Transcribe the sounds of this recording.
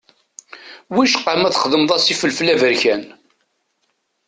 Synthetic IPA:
wiʃqːamæθəχəðəmðˤɑsifəlflævəɾçæn

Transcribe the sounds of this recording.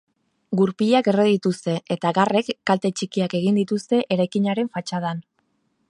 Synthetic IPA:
ɡuɾpiʎake̞reðit̪ust̪e̞ʔet̪aɣare̞kːalt̪e̞t͡ʃikiake̞ɣ̞ind̪it̪ust̪e̞ʔe̞ɾajkiɲaɾe̞ɱfat͡ʃað̞an

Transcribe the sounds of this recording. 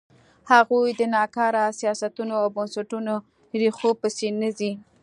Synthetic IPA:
haɣujd̪ənɑkɑɾasijɑsat̪unoawbənsaʈuno | ɾixopəsenəzi

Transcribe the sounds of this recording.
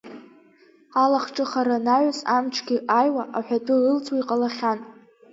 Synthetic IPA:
alaχʈ͡ʂʼɨχaɾanaʕsamʈ͡ʂʰɡʲɪʔajwaʔaħʷᶣatʼɨrɨlt͡sʰʼwaiqʼalaχʲan

